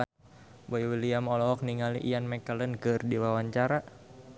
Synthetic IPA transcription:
bɔiwiliamɔlɔɦɔk̚niŋalḭʔijanmɛkalənkɨrdiwawaɲt͡ʃaɾa

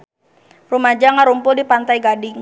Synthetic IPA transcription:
rumad͡ʒaŋaɾumpʊldipant̪ajɡadɪŋ

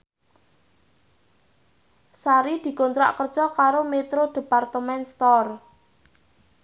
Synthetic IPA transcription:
saɾid̪̥i̤kont̪ɾa̰ʔkər̥ʒ̥ɔkaɾomet̪ɾod̪̥e̤part̪əmɛnst̪ɔr

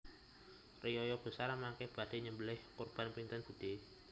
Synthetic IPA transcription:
rijɔjɔb̥ə̤saɾamakɛb̥adeɲəmbəlɪhkɔrb̥anpint̪ɛnb̥ud̪̥e

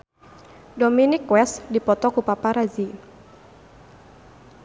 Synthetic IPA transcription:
dominikwɛsdipɔt̪ɔkupapaɾazi

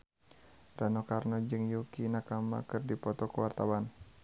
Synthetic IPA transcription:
ranɔkarnɔd͡ʒɨŋjukinakama̰kɨrdipɔt̪ɔkəwart̪awan

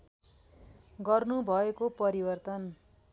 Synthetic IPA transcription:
ɡʌrnubʱʌekopʌɾibʌrt̪ʌn

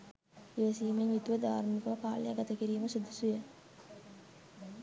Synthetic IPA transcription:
iʋəsiːmeɲut̪uʋəd̪aːɾnikɐʋɐkaːlja̰ɡat̪əkiɾiːməsud̪usujə

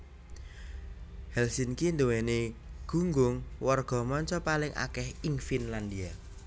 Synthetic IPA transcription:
hɛlsinkind̪uweneɡ̥ṳŋɡʊŋwɔrɡ̥ɔ̤mɔɲt͡ʃɔpalɪŋʔa̰kɛhiŋfinland̪ia

